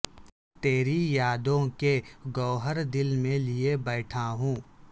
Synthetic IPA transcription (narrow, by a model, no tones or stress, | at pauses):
t̪eːɾijaːd̪õkeɡɔːɦəɾd̪ɪlmẽliebɛːʈʰaɦũː